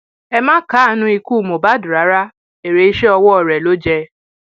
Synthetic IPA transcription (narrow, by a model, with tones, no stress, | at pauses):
ɛ˧mãː˦ka˨˦˨nũ˧˦i˧ku˦˨mo˨ba˨˦dɾa˨˦ɾa˦ | e˨ɾe˨˦i˦ʃe˦ɔ˧wɔ˦ɔ˨ɾɛ˨lo˦d͡ʒɛ˧